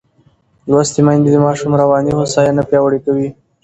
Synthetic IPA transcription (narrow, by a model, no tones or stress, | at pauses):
lwast̪imɑjnd̪ed̪əmɑʃumɾawɑnihosɑjanapjɑwaɽikawi